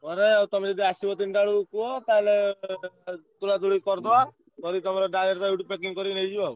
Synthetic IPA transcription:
ɔɾeawt̪ɔmed͡ʒɔd̪iasibɔt̪inɖaɽukuɔt̪ale | t̪ulat̪uɽikɔɾd̪ɔa | kɔɾit̪ɔmaɾɔɖaleɾt̪ajuʈupːekiŋkɔɾinejd͡ʒibau

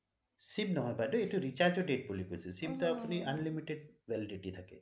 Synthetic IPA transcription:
simnɔɦɔ̃jpaɖɔeʈuɾit͡ʃaɾd͡ʒɔɖeʈ̚bulikususimt̪ɔapuniʔɐnlimiʈeɖbelɖiʈit̪ʰakḛ

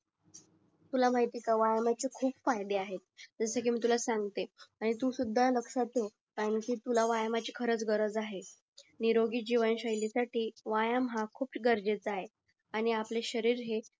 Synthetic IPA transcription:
t̪ulam̤ajt̪ikaʋajamat͡ɕekʰuːpfajd̪eaɦet̪̚d͡zəsək̬iːmiːt̪̬ulasaŋɡt̪eaɽ̃it̪uːsud̪ʱːaləksat̪o | kaəɳkiːt̪ulaʋajamat͡ɕikʰəɾət͡sɡəɾəd͡zaɦe | niɾoɡiːd͡ʑiʋənɕəjlasaʈiːʋajamɦakʰuːp̚ɡəɾd͡ʑet͡sae | aɽ̃iapleɕəɾiːɾɦe

